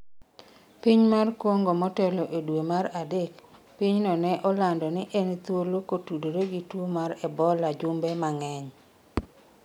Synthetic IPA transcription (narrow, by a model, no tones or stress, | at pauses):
piɲmarkwɔŋɡɔmɔtɛlɔʔedwemaɾadek | piɲnɔnɛʔɔlandɔnɪʔent̪wolokotudoɾeɡitwomaɾɛbɔlad͡ʒʊmbɛmaŋɛɲ